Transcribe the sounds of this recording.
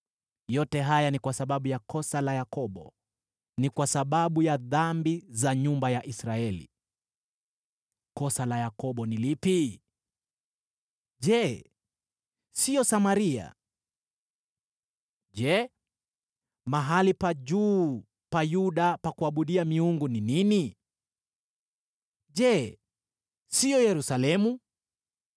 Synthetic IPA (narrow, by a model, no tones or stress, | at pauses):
jɔtɛɦajanikwasaɓaɓujakɔsalajakɔɓɔ̰ | nikwasaɓaɓujaðambizaɲumbajaʔisɾaɛlḭ | kɔsalajakɔɓɔnilipi | ʄɛ | siɔsamaɾia̰ | ʄɛ | maɦalipaʄuː | pajuɗapakuaɓuɗiamiuŋɡuninini | ʄɛ | siɔjɛɾusalɛmu